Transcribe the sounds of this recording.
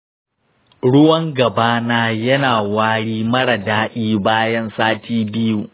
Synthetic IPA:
ɽʊ˦wɐ˦ŋɡɐ˨baː˦naː˦jɐ˦naː˨waː˦ɽiː˦mɐ˦ɽa˨daː˦ɗʲiː˦baː˦jɐ˦nsaː˦tiː˦bɪ˦ju˦˨ʔ

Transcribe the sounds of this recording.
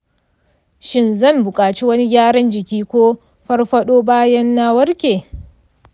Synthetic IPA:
ʃɪ˦nzɐ˦˨mbʊ˨kʼaː˨t͡ʃi˦wɐ˦ni˦ɡʲaː˦ɽɐ˦nd͡ʒɪ˨kʲiː˦kʷoː˦ | ɸɐ˦rɸɐ˦ɗoː˦baː˦jɐ˦nːa˦wɐ˦ɾkʲeː˨

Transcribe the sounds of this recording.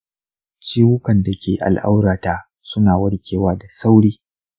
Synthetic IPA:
t͡ʃiː˦hʊ˦kɐ˨nda˨kʲeː˨ʔa̰˨lʔa̰˦wɽaː˨taː˦ | sʊ˦naː˨wɐ˦ɽkʲʰeː˨waː˦da˨sa˦wɽiː˦

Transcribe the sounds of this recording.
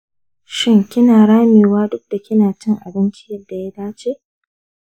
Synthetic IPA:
ʃɪ˦˨ŋkʲɪ˦naː˨ɽaː˦meː˨waː˦dʊ˦k̚d̥a˨kʲɪ˦naː˨t͡ʃɪ˦ŋʔa˨bɪ˦nt͡ʃɪ˦jɐ˦dːa˨ja˦daː˦t͡ʃeː˦˨

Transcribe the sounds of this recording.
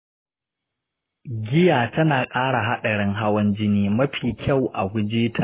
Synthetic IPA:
ɡʲɪ˦jaː˨tɐ˦naː˨kʼaː˦ɽa˨ɦa˦ɗɐ˨ɽɪ˦ŋɦa˦wɐ˦nd͡ʒɪ˦niː˦mɐ˦ɸiː˨kʲʰa˦˨wʔa˨ɡʷʊ˦d͡ʒiː˦tʰaː˨

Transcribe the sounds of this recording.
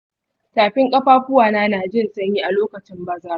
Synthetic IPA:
taː˨ɸɪ˦ŋkʼɐ˦ɸaː˦ɸʷʊ˦waː˨naː˦naː˨d͡ʒɪ˦˨nsʼɐ˦ɲjiː˦ʔa˨loː˦kɐ˨t͡ʃɪ˦mbɐ˦zɐ˦

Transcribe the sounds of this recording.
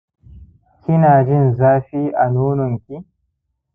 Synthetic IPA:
kʰɪ˦naː˨d͡ʒɪ˦nzaː˦ɸi˦ʔa˨nuː˦nɔ˨ŋkʲi˦

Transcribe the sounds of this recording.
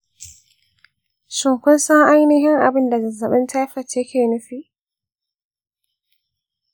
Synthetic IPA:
sʊ˨ŋkʷʊ˦nsa˦ʔa˦jnɪ˦ɦɪ˦ŋʔa̰˨bɪ˦nda˨zɐ˨nza˨ɓɛ˦nta˦fa˨te˦kʰʲeː˨nʊ˦ɸiː˦

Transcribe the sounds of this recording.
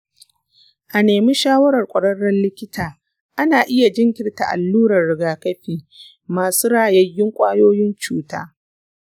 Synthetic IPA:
ʔa˨neː˨mi˦ʃaː˦wɐ˦ɾɐ˨rkʷʼɐ˨ɽɐ˦rɐ˦nlɪ˦kʲɪ˦tʰaː˨ | ʔa˦naː˨ʔɪ˦ja˨d͡ʒɪ˦ŋkʲɪ˦rta˨ʔa̰˨lːuː˦ɾɐ˨rːɪ˨ɡaː˨kɐ˦ɸiː˨ | maː˨suː˦ɽaː˨jɐ˦jːɪ˦ŋkʷʼaː˦joː˦jɪ˦nt͡ʃuː˦ta̰ː˦

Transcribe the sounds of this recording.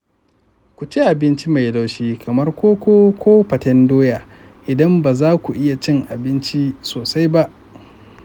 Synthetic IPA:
kʷu˨t͡ʃe˦ʔa˨bɪ˦nt͡ʃi˦ma˨jda˦wʃiː˦kʰɐ˨mɐ˦rkʷoː˦kʷoː˦kʷʰoː˦ɸɐ˨tɛ˦ndoː˦jaː˨ | ʔɪ˨dɐ˦mbaː˨zaː˦kʷu˨ʔɪ˦ja˨t͡ʃɪ˦ŋʔa˨bɪ˦nt͡ʃi˦soː˨sa˦jba˦ʔ

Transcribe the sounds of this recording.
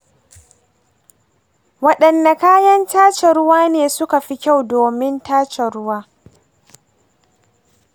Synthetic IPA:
wɐ˦ɗɐ˨nːa˨kaː˦jɐ˦ntaː˦t͡ʃɛ˨ɾʊ˦waː˦neː˨sʊ˦ka˨ɸi˦kʲa˦˨wdoː˨mɪ˦ntaː˦t͡ʃɛ˨ɽʊ˦waː˦

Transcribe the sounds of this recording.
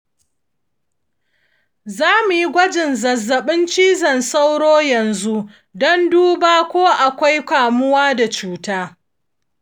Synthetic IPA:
zaː˦mu˨ji˦ɡʷɐ˦d͡ʒɪ˨nzɐ˨zːɐ˨ɓɪ˦nt͡ʃiː˦zɐ˨nsa˦wɽoː˦jɐ˨nzu˦ | dɔ˦nduː˦baː˦kʷoː˦ʔa˨kʷa˦jkʷaː˨mʊ˦waː˦da˨t͡ʃuː˦taː˦

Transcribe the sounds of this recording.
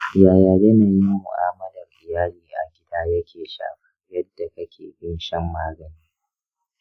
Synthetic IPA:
jaː˨jaː˨jɐ˦ne˨mi˦mʊ̰˨ʔaː˦mɐ˦dɐ˨rʔɪ˨jaː˦liː˦ʔa̰˨ɡʲɪ˦daː˦jɐ˦kʲʰeː˨ʃa̰ː˨ɸḁ˦jɐ˦dːa˨kɐ˦kʲʰḛː˨bɪ˦nʃɛ˦mːaː˦ɡɐ˨niː˦

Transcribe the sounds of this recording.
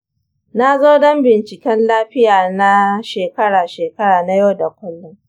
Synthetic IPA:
na˦zoː˦dɔ˦mbɪ˨nt͡ʃɪ˨kʲɛ˦nlaː˦ɸɪ˦jaː˨na˦ʃeː˨kɐ˦ɽaː˨ʃeː˨kɐ˦ɽaː˨na˦jo˦wda˨kʷʊ˦lːɔ˦ŋ

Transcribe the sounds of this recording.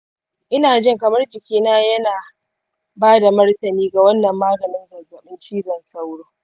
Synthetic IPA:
ʔɪ˦naː˨d͡ʒɪ˦˨ŋkɐ˨mɐ˦rd͡ʒɪ˨kʲiː˦naː˦jɐ˦naː˨ | baː˦da˨mɐ˦rtɐ˨niː˦ɡa˨wɐ˦nːɐ˨mːaː˦ɡɐ˨nɪ˦nzɐ˨zɐ˨ɓɪ˦nt͡ʃiː˦zɐ˨nsa˦wɽoː˦

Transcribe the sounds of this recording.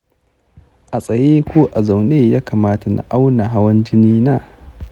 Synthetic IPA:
ʔa˨sʼɐ˨jeː˦kʷoː˦ʔa˨za˨wneː˦jaː˦kaː˨maː˦ta˨na̰˨ʔa˦wna˨ɦa˦wɐ˦nd͡ʒɪ˦niː˦naː˦

